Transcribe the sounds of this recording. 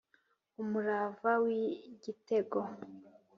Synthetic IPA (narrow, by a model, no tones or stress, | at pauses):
umuɾavawiɡite̞ɡo